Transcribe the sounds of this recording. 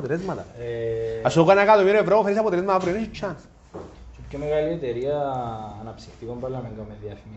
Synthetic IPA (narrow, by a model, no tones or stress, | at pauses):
t̪elezmɐt̪ɐ | ɐsokanakat̪omiɾoevɾofeɾis̬ɐp̬ot̪elezmɐt̪avɾionisit͡ʃʰːɐns | sopcʰomeɣaliet̪eɾiɐːnɐpsi̥xt̪ikombɐlːɐmeŋɡɐmeðjɐfimi